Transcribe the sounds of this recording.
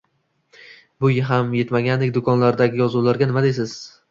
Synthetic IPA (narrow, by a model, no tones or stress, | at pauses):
bʊjɦamjet̪maɡʲand̪ek̚ʲd̪ʊkʰɒnlaɾd̪aɡʲɪjɒzulaɾɡʲanɪmad̪ejs̬ɪz̥